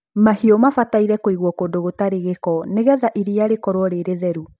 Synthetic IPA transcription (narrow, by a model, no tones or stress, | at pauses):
mahiɔmafataiɾɛkoiɣwɔkoːndoɣotaɾeɣekɔneɣɛðaʔiɾiaɾekɔɾwɔɾeɾeðɛɾu